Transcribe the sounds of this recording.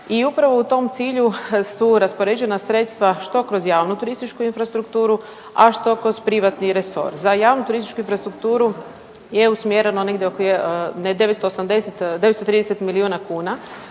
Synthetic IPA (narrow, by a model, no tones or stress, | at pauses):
iupɾaʋo̞ut̪o̞mt̪siːʎusuɾaspo̞ɾed͡ʑe̞nasɾet̪st̪ʋaʃt̪o̞kɾozjaːʋnut̪uɾist̪it͡ʃkuinfɾast̪ɾukt̪uːɾu | a̰ʃt̪o̞kɾo̞zpɾiʋat̪niɾeso̞̰ɾzajaːʋnut̪uɾist̪i̥t͡ʃkuinfɾast̪ɾukt̪uːɾu | je̞usmjeɾenoneɡd̪jeokened̪e̞ʋet̪st̪oːsamd̪eset̪d̪eetst̪ot̪ɾiːd̪eset̪miliuːnakuːna